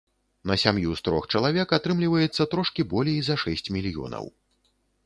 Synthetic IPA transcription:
nɐsʲamjust̪ɾɔ̰xt͡ʂɐlˠavʲɛkat̪ɾɨmlʲivɐjɛt̪sːɐt̪ɾɔʂkʲibɔlʲejizɐʂɛsʲt͡sʲmʲilʲjɔ̰nɐ̰w

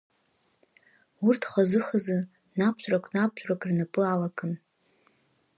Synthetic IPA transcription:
urtʰχazɨχazɨ | napʰɕʷʼrakʷʼnap̚ʰt͡ʃʷʼrakʼrnapʼɨalakʼɨn

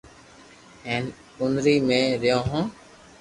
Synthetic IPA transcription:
eːn | ʊnɾiːmẽːɾɪjõːɦõː

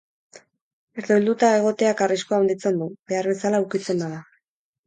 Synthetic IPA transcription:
eɾt̪oild̪ut̪ae̞ɣ̞o̞t̪e̞akariskoawnd̪it͡se̞nd̪uβe̞aɾβe̞salaukit͡se̞nd̪aða

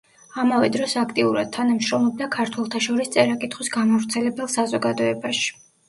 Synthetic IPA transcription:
amavɛd̪ɾɔsakʰt̪ʼiuɾa̰d̪̥̚t̪ʰːanamʃɾɔmlˠɔb̚d̪akʰaɾt̪ʰwɛlˠt̪ʰaʃɔɾist̪sʼɛɾakʼit̪ʰχwisɡamavɾt̪sʰɛlɛbɛlˠsazɔɡad̪ɔɛbaʃi̥

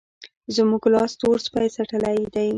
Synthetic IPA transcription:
zmuɡlɑst̪oɾspajsaʈəlajd̪aj

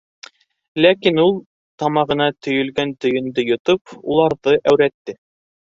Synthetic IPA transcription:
lækinulˠ | t̪ɑmɑʁɤ̆nɑt̪ɵ̆jɵ̆lɡænt̪ɵ̆jɵ̆nd̪ɵjŏt̪opulˠɑɾðɤʔæwɾæt̪ːɘ

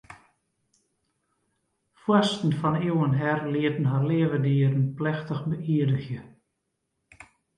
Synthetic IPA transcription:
fwɔstn̩fɔniwənɦɛrliətn̩ɦarlɪəvədiəɾənplɛxtəxbəʔiədəxjə

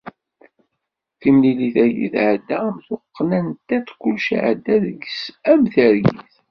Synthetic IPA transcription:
θimliliθæjḭθʕd̪æmθʊqːnænt̪ːæt͡sːkʷːʊlʃʕd̪ːæðəɡsæmθəɾjḭθ

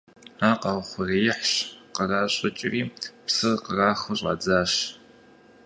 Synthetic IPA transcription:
aːqɑʁχʷʊrejɪħɕqəraːɕʼɐt͡ʃʼɪriːpsɨrqəraːχʊɕʼɐ̰d͡zaːɕ

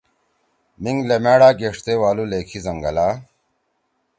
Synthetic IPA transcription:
miŋɡlemeːɽaːɡeːʂt̪eːwaːluleːkʰizɐŋɡɐlaː

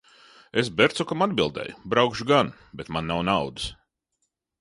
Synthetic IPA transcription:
esbeɾt̪sukamad̪bilˠd̪ɛ̰ːjubɾawkʃuɡan | bet̪manːawnawd̪ɨs

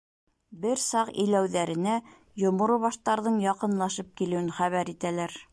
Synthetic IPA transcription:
bɘɾsɑqḭjlæwðæɾɘ̆næ | jŏmŏɾoβɑʃt̪ɑɾðɤɴjɑqɤ̆nlˠɑʃɤp̚kilɘ̆wɘnχæβæɾit̪ælæɾ

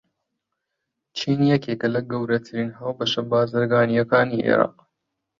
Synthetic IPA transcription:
t͡ʃʰiːnjɛkʰeːkɐlɐɡɐwɾɐt̪ʰɨɾiːnɦawbɐʃɐbaːzɨɾɡaːnijɐkaːniʔḛɾa̰ːq

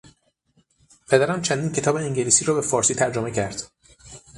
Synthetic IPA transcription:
pʰed̪æɾæmt͡ʃʰænd̪iːncʰe̞t̪ɒːbeiŋɟeliːsiːɾɒːbe̞fɒːɾsiːt̪ʰæɾd͡ʒomecʰæɾd̪̥

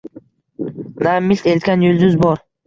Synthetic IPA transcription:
namɪlʲt̪elt̪̚kʲanjʊld̪ʊzbɒɾ

